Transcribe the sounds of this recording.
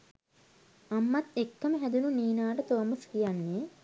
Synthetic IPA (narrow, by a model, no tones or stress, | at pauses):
amːat̪ekːəməɦæd̪ununiːnaːʈət̪oʋːməskijanːe